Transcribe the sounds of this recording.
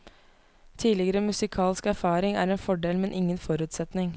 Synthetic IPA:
t̪ʰiːlɪɡəɾəmʉsɪkʰɑːlskæɾfɑːɾɪŋæ̰ːɾeːnfɔɖeːlmɛnʔɪŋːənfɔɾʉːt̪sɛt̪nɪŋ

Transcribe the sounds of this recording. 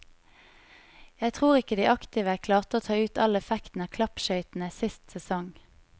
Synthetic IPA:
jæɪt̪ʰʁuːʁɪkəd̪iːʔɑkt̪ɪːʋəækʰlɑːʁt̪əoːt̪ʰɑːʉːt̪ɑ̰lɛfɛkt̪n̩æːkʰlɑpʃœʏt̪n̩əsɪst̪sɛsɔŋ

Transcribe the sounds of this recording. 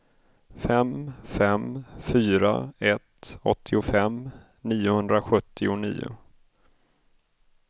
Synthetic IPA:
fɛmfɛmfyːɾa̰ɛt̪ɔt̪ʰːɪʊfɛm | niːʊhɵnd̪ɾaɧɵt̪ʰːɪʊnḭːʊ̰

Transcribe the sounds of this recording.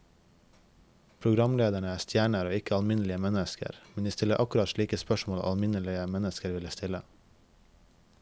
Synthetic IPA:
pʰɾʊɡɾɑmleːd̪æɳəæːst̪ʰjæːɳəɾoːɪkəɑlmɪnəlɪəmɛnəskə̰ɾmɛnd̪iːst̪ɪləɾʔɑkʉɾɑt̪ʃɭiːkəspœʃmoːl̰ʔɑlmɪnəlɪəmɛnəskəɾʋɪləst̪ɪlə

